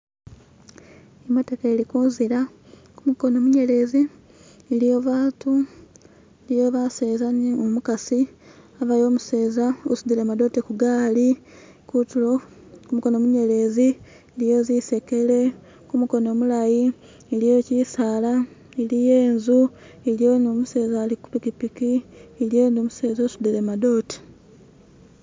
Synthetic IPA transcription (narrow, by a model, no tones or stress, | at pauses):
ematekelikuːnziɾa | kumuko̞no̞ːmuɲe̞le̞ziː | lijo̞βaːtu | lijo̞βase̞ːzaniomukasiaβajo̞ːmuse̞ːzaosud̪ilemado̞tekuɡaːlikutulo | kumuko̞nomuɲe̞le̞ːzi | lijo̞zise̞ke̞le̞ | kumuko̞no̞ːmulaji | elijocisaːla | elije̞ːnzu | elijonomuse̞ːzaliku̥pikipikielijeːnoːmuse̞ːzosud̪ilemado̞te̥